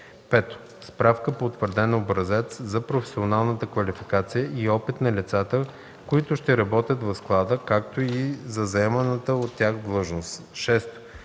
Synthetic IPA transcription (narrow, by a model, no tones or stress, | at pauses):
pɛt̪o̥ | spɾafkəpot̪vəɾd̪ɛnobɾɐzɛt̪szɐpɾofɛ̥sionalˠnət̪əkvɐlifikat̪sijəʔiɔpit̪nɐlit̪sat̪ə | koit̪ʊʃt̪ɛɾɐbɔt̪ʲjət̪vɐsklˠad̪əkak̚t̪oizɐzɐɛmɐnət̪əot̪ːʲaxd̪lˠɤʒnos | ʃɛst̪